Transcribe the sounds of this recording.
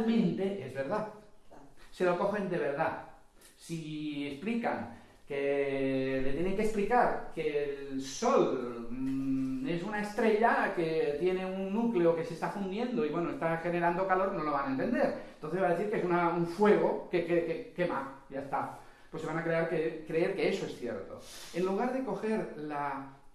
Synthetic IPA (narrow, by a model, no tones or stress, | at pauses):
lmẽ̞nt̪e̞ʔe̞zβe̞ɾða | se̞lo̞ko̞xe̞nd̪e̞β̞e̞ɾða | sie̞splika̰ŋ | ke̞ | le̞t̪je̞ne̞ŋkesplikaɾkellso̞l | e̞sunae̞st̪ɾe̞ʎake̞t̪je̞ne̞unːukle̞oke̞se̞st̪afund̪je̞nd̪o̞iβwe̞noe̞st̪axe̞ne̞ɾand̪o̞kalo̞ɾno̞lo̞βanaent̪e̞nd̪e̞ɾnt̪o̞nθeβaðeθiɾkeesunauɱfwe̞ɣ̞o̞kekekeke̞ma̰ɟ͡ʝaest̪a | pwe̞sːeβanakɾe̞aɾkekɾe̞eɾke̞eso̞e̞sθje̞̰ɾt̪o̞̰e̞nluɣ̞aɾðe̞ko̞xe̞ɾla